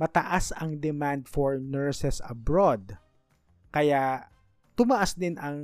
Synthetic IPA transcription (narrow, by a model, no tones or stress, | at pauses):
mɐt̪ɐʔasɐŋd̪ɛmand̪̚fɔɹnɛɹsɛsɐbɹod̪̚ | kɐja | t̪ʊmɐʔasd̪ɪnʔɐŋ